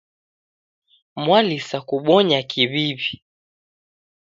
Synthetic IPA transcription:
mwalisakuɓɔɲakʰiβiβi

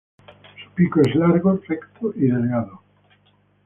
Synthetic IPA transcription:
su̥pikoezlaɾɣosekt̪oʔiðelɣaðo

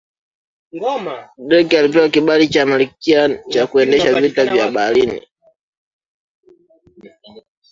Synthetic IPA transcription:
ɗɛkialip̬ɛwakiɓalit͡ʃamalikiat͡ʃakuɛndɛʃavitavjaɓalinḭ

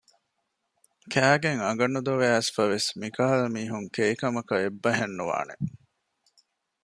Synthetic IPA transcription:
kʰæːɡeŋɐɡɐnːud̪oʋesfɐʋesmikaːɐlɐmiːɦuŋkeikɐmɐkɐebːɐɦenːuʋa̰ːnḛ

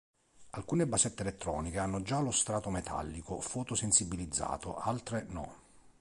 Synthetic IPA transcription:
alkuːnebasɛt̪ːeelɛt̪ːɾɔːnikeanːʊd͡ʒalʊst̪ɾaːt̪ʊmɛt̪ʰa̰lːikʊfɔːt̪ʊsensibilid̪zːa̰ːt̪o̰ʔalt̪ɾenɔ̰

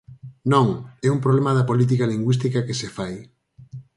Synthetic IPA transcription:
nõŋɛumpɾoβlemɐðɐpolit̪̬ikɐliŋɡwist̪ikɐkesefaj

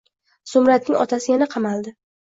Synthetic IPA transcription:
sʊmɾat̪̚nɪŋɒ̰t̪ʰasɪjanaqʰɑmalˠd̪ɪ

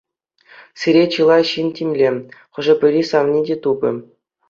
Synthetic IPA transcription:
sʲiɾʲet͡ɕɯlˠɑɕinʲtʲimʲlʲeχɤ̆ʐɘ̆pʲɘ̆ɾʲisɑʋnʲidʲet̪ubʲɘ̰̆

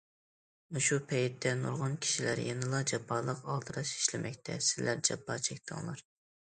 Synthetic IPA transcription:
muʃupʰɛjit̪ʰːɛnṵɾʁɑnkʲʰi̥ʃilæ̰ɾjenɨlˠɑd͡ʒɑpʰːɑːlˠəqɑlˠt̪ʰɨɾɑʃi̥ʃlɪmʔɛkʲt̪ʰɛ̰sɪlæɾd͡ʒɑpːɑt͡ʃʰɛkʲt̪ʰɨ̰ŋlˠɑ̰ɾ

